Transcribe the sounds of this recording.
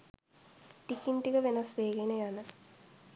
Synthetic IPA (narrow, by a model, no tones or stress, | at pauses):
ʈikinʈikəʋenasʋeːɡenejanə